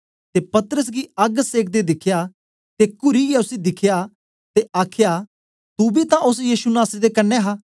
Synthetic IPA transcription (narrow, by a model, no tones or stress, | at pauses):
t̪epɐt̪əɾəs̬ɡiɐɡseːk̚ʰd̪ed̪ɪkʰjaː | t̪ekʊɾiɡiʊsid̪ɪkʰjaː | t̪eʔaːkʰjaː | t̪ubit̪ãʔʊsjiːsunaːsd̪ekɐnːeɦaː